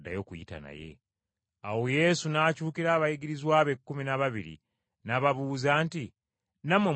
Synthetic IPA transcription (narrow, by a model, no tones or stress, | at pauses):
dːa̰jo̞kujḭta̰na̰je̞̰ | awo̞je̞sunaːcuːkiɾaːβajiɡiɾizwaːβekːuminaβaβiɾḭ | naβaβuːzaːnti | namwe